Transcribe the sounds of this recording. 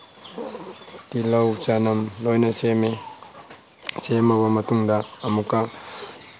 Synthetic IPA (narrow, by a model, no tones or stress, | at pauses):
t̪ilawt͡ʃanɐmlɔjnɐseme | semobɐmɐt̪uŋd̪aːmukːa